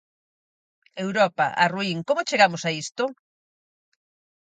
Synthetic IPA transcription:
ewɾɔpɐ̰ʔa̰ruiŋkomʊt͡ʃeɣamʊsaist̪ʊ

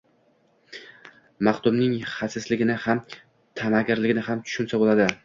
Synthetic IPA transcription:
maqt̪ʊmnɪŋhasɪslɪɡʲɪnɪham | t̪ʰamaɡʲɪɾlɪɡʲɪnɪhamt̪ʰʊ̥ʃʊnsabolad̪ɪ

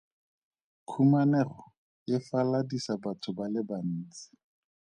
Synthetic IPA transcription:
kʰumanɛrɔ | jɪfaladisabatʰʊbalɪban̩ːt͡sɪ̥

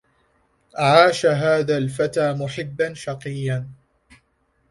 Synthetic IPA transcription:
ʔʕaːʃaɦaːðaːlfat̪aːmʊħɪbːanʃɑqɨjːan

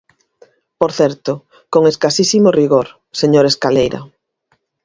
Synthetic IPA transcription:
poɾθɛɾt̪ʊ | koŋeskasisimoriɣoɾ | seɲoɾeskalejɾɐ̰

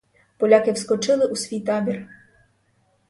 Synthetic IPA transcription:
pɔlʲakɪwskɔt͡ʃɪlˠɪʔusʲʋʲijt̪ɑbʲir

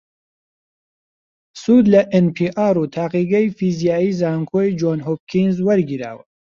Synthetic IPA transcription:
suːd̪lɐʔenpʰiːʔaːɾuːt̪ʰaːqiːɡɛjfiːzijaːiːzaːŋkʰoːjd͡ʒoːnɦoːp̚kʰinzwɐɾɡiɾa̰ːwɐ

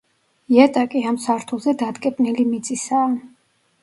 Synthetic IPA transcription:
jɛt̪ʼakʼiamsaɾt̪ʰuzɛd̪ad̪kʼɛpʼnilimit̪sʼisaːn

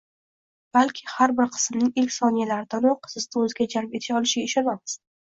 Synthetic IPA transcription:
b̥alkʲʰɪhaɾbɪɾqʰɨ̥smnɪŋɪlkʲsɒnijalaɾɪd̪̥anoqʰɨ̥sɨzt̪aɵzɪɡʲad͡ʒaɾpe̞t̪ʰɪ̥ʃɒlˠɪʃɡʲaɪʃɒnamɪ̥s

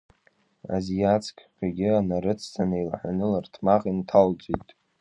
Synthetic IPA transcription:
a̰zijat͡sʰkʰʲʼqʲaɡʲɪanaɾɨt͡sʰzʰanailħʷᶣanɨlartʰmaqʼintʰalt͡sʷʼijtʼ

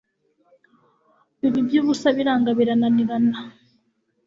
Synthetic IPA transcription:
iβibjuːβusaβiɾaːŋɡaβiɾananiɾana

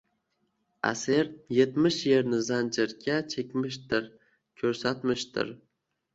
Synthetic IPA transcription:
a̰seɾje̞t̪mɪʃje̞ɾnɪzand͡ʒɪɾkʲʰat͡ʃʰekʲmɪʃt̪ɪɾ | kʲʰɵɾsat̪mɪʃt̪ɪ̰ɾ

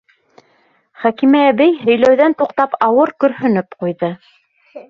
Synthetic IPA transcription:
χækimæːβɘjɦɵ̆jlæwðænt̪uqt̪ɑpɑwɤɾkɵ̆ɾhɵ̆nɵpqujðɤ

